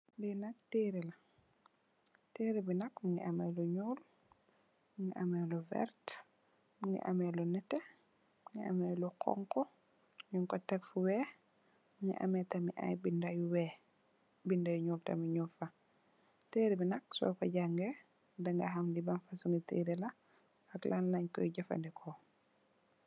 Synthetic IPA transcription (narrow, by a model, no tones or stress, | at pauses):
ndinak̚tiːɾɛla | teːɾibinɐkmuŋɡḭʔamɛluɲuːl | muŋɡḭʔamɛluvɛ̰ɾt | muŋɡḭʔamɛlunɛtːɛ | mŋɡia̰mɛlukʰɔ̰ŋkɔ | ɲuŋkɔtɛkfuwɛː | ŋḭʔa̰mɛtɐmiʔa̰jbindajuwɛ | bindajuɲuːltɐ̰miɲufa | teːɾibinɐk̚sɔ̰kɔɟaŋɡɛ | daŋɡɐɦamdibanfasuŋɡitḭːɾila | aklʔanlaɲkɔ̰jɟafa̰ndɛkʰɔ